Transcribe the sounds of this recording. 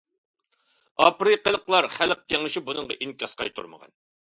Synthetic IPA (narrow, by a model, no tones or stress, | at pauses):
ɑ̰pɾɨqəlˠəqlˠɑɾχælq̚kʲʰɛŋɨʃibunɨŋʁɑʔiŋkʲɑsqɑjt̪ʰṵɾmə̰ʁɑ̰n